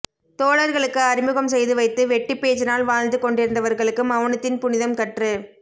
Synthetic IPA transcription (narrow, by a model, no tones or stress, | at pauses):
t̪oːɭɐɾɣɐɭɯkːɯɐɾɪmɯɣɐmsɛjðɯʋɐɪt̪ːɯʋɛʈːipːeːt͡ʃɪnaːlʋaːɻnd̪ɯkɔɳɖɪɾɯnd̪ɐʋɐɾɣɐɭɯkːɯmɐʋɐɳɐt̪ːɪnpʊnɪðɐmkɐʈrɯ